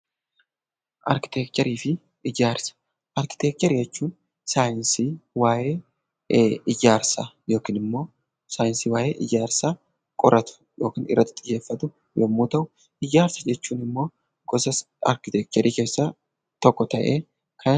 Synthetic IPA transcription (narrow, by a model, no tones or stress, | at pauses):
ʔɐɾkɪ̥t̪eːk̚t̪ɛɾiːfɪ | ɪd͡ʒaːɾsɐ̥ | ʔɐɾkɪ̥t̪ɛːk̚t̪ɛɾiːd͡ʒɛt͡ʃːuːn | saːjɪnsiːwaːjeː | ɪd͡ʒaːɾsɐjo̞ːkiːnɪmːo̞ː | saːjɪnsiːwaːjeːʔɪd͡ʒaːɾsaː | kʼɔɾɐt̪ʊ̥jo̞ːkiːnɪ̰rːɐt̪ːɪt̪ʼɪjːe̞ːfːɐt̪ʊ | jɔmːuːt̪ɐʔʊ | ɪd͡ʒaːɾsɐd͡ʒɛt͡ʃːuːnɪmːo̞ː | ɡ̥ɔsɐs | ɐ̰ɾkɪt̪ɛk̚t̪ɛɾʔiːkeːsːɐ | t̪ɔkːɔt̪ɐʔeː | kʰɐ